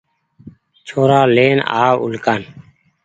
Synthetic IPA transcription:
t͡ʃʰoːɾaːleːna̰ːʋṵlkaːn

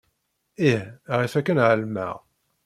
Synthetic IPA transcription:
ihʁifækːənʕəlmæ̰ʁ

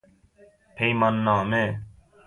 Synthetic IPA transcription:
pʰeimɐnːãːmẽː

